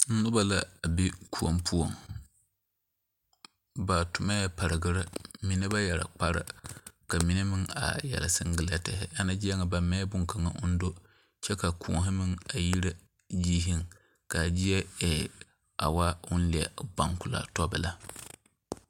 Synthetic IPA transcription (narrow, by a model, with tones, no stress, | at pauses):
n̩˦nʊ˦ba˦la˦a˨bi˦kʰu˦˨o̰˨mpʰu˦o˨ŋ | ba˨tʊ˨ma˦ja˦pa˨ɾɨ˨ɡɨ˦ɾɨ˦mi˨nɨ˦ba˦jɛ˨ɾa̰˨k͡pa˦ɾɨ̰˨ka˨mi˨nɨ˦mɨ˦ŋa̰˨jɛ̰˨la̰˨sɨ˦ŋ˦ɡɨ˦la˦tɛ˨ɦɪ˦ʔa˦na˦d͡ʒɪ˦a˦ŋa˨ba˨mɛː˦bʊ˦ŋka˨ŋa̰˨ʔʊ˦n̩˦do˦ | t͡ʃɛ˦ka˨kʰṵ˨ɦɪ˦mɨ˦ŋa˨ji˦ɾa˦ | d͡ʒiː˦ɦɪ˦ŋ | ka˨d͡ʒɪ˦ɛ˦ɛ˨ | a̰˨wa˦ʊ˦n̩˦li˨a˨ba˨ŋkʊ˨la̰˦tɔ˦bɨ˨la˦